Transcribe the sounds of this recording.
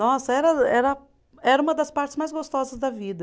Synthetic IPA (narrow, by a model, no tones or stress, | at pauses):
ɔsɐɛɾɐɛɾɐ | ɛɾɐũmɐd̪ɐspaɾt͡ʃɪ̥zmajzɡost̪ɔzɐzd̪ɐvid̪ɐ